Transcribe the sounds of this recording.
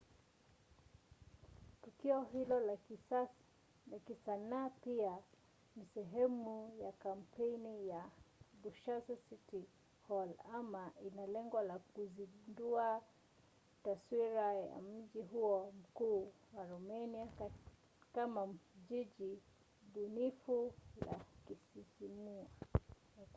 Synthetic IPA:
tukiɔɦilɔ | lakisanaːpia | misɛɦɛmujakam̩pʰɛjnijabuʃasasiti | hɔlamaʔinalɛŋɡɔlakuzindua | taswiɾaja̰m̩ʄiɦuɔm̩kuː | waɾɔmɛnia | kamaʄiʄi | bunifula̰kisihimua

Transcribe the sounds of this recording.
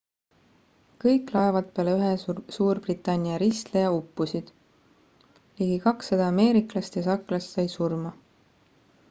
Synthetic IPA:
kɤjkˑlɑevɑt̪̚peɑleyɦesuːrb̥rit̪ːˑɑnʲːiɑɾist̪lejɑupːusid̪̥ | liːɡikɑksːed̪̥ɑɑme̞ːɾiklɑst̪jɑs̬ɑklɑst̪sɑjsurmɑ

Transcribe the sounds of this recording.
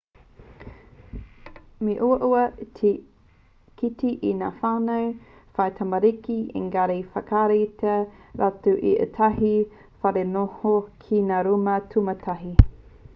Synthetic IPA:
meʔuɐʔuɐ | kʰitiʔinaːfaːnowfɐjt̪ʰamɐɾikiʔḛŋɡaɾejfɐkaɾejtɐɾʔatuʔḭʔə̰tʰɐɦi | fɐɾenohokʰinaːɾumɐtʰumɐtʰɐɦi

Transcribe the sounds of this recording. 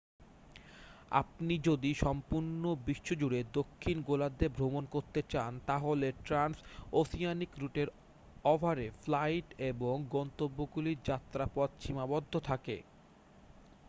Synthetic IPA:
a̰pnid͡ʑod̪iʃɔmpuɾnobiʃːod͡ʑuɽed̪okʰːinɡolad̪ebʱɾomonkoɾt̪et͡ɕant̪aɦoleʈɾansosijanikɾuʈeɾ | ɔbʱaɾeflajʈeboŋɡɔnt̪obːoɡuliɾd͡ʑat̪ːɾapɔd̪̚t͡ɕʰimabɔd̪ʱːot̪ʰakḛ

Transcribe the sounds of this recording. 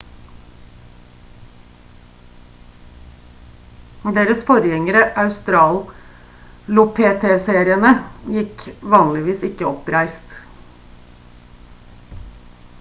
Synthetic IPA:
d̪eːɾəsfɔɾjɛŋəɾəʔɑʉst̪ɾɑːl | lʊpʰeːt̪ʰeːseːɾɪənəjɪkʋɑːnlɪʋiːsɪkːəɔpɾæɪst̪

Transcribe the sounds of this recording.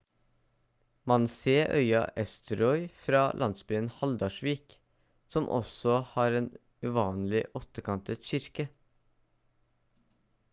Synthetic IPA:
mɑnseːʔœ̰ʏɑ̰ʔɛst̪ʰəɾɔʏfɾɑːlʔɑnsbʏənhɑld̪ɑʃʋiːk | sɔmʔɔ̰sɔhɑːɾeːn | ʉːʋɑːnlɪʔɔt̪əkʰɑnt̪ət̪ʃʏɾkə

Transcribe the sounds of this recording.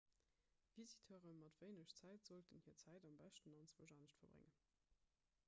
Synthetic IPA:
v̥izitʰøːʁəmɑtv̥əɪnəʃt͡sæɪtz̥oltənhiːɐt͡sʰæɪdɑmbæʃtənɑnt͡swəʒɑːnəʃtfɐbʁḛŋən

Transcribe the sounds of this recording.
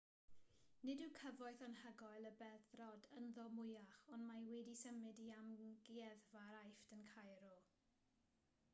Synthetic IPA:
nɪdɪwkʰəvɔɨθanhəɡɔjlˠəbɛðrɔdənðɔmʊjaχɔndmajwɛdisəmɪdiamɡiɛðvaɾajftənkʰajɾɔ

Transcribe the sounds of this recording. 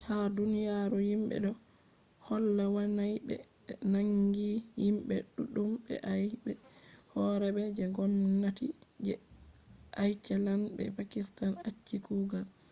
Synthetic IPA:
hadunijaɾujimɓɛ̰ɗɔ | hɔlːawanajbɛ̰ | naŋɡijimɓɛɗuɗumbɛ̰ʔajbɛhɔɾɛɓɛd͡ʒɛɡɔmnatid͡ʒɛ | ʔajt͡ʃɛlanbɛ̰pakistanat͡ʃːikuːɡal

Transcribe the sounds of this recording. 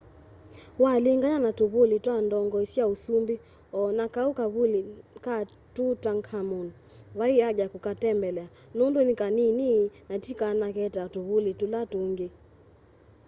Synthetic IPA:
waliŋɡaɲanatuβulitwandɔŋɡɔisiausumbi | ɔnakaukaβulika | tutaŋkhamun | waiaʄakukatɛmbɛlɛa | nondwɛnikanininatikanakɛtatuβulitulatuŋɡe

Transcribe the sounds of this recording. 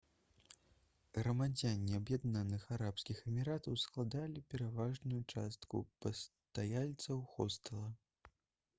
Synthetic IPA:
ɣɾɐmad͡zʲanʲːiɐbjad̪nanɨxaɾapskʲixɛmʲiɾat̪ɐwsklˠad̪alʲipʲɛɾavaʐnujut͡ʂast̪kṵpɐst̪ajalʲt̪sɐwxɔst̪ɐlˠɐ

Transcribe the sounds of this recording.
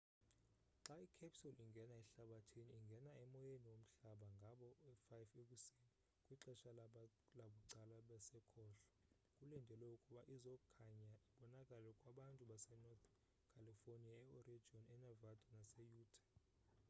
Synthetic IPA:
ǁaikʰapsuliŋɡʱɛnaɛɬaɓatʰiniːŋɡʱɛnaɛmɔjeniwom̩ɬaɓaŋɡʱaɓɔɛfajfekʼusini | kʼwiǁɛʃa | laɓuǀalaɓɛsɛkʰɔːɬɔ̥ | kʼulɛndʱɛlɛukʼuɓaʔizɔkʰaɲaɛɓɔnakʼalɛkʼwaɓantʼuɓasɛnɔt̪ | kʰaliforniaɛɔrid͡ʒʱiɔnɛnavadʱʼɔnasɛjuːtʰʼḁ

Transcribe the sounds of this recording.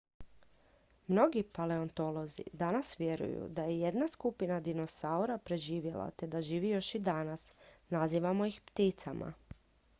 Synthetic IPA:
mno̞ɡipale̞o̞nt̪o̞lˠo̞zḭd̪anasʋje̞ɾṵjṵd̪ajeje̞d̪naskupinad̪ino̞sauɾapɾe̞ʒiːʋje̞lˠa̰t̪e̞d̪aʒiːʋijo̞ʃid̪anasnaziːʋamo̞jixpt̪it̪samʔa̰

